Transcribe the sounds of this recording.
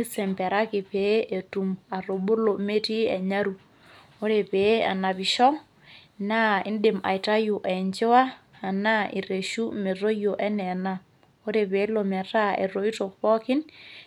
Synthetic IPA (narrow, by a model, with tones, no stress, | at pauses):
i˦sɛ˨mpɛ˨ɾa˦ki˨pe˦ʔe˨tu˨ma˨ro˨bu˦lo˨me˦ti˦ɛ˨ɲa˦ɾu˨ | o˦ɾe˨pe˨˦a̰˨na˨pi˨ʃɔ˦ | na˦ɪ˦ndɪ˨ma̰˨i˨ta˦ju˨ʔɛ˨ɲt͡ʃɪ˦waː˦˨na˦ʔi˨re˨ʃu˦me˨ro˦jo˨ʔɛ˦nɛ˨na˦ | o˦ɾe˨pe˦lo˨mɛ˨ta˦ḛ˨ɾo˨i˦to˨k̚pɔ˦kɪ˦n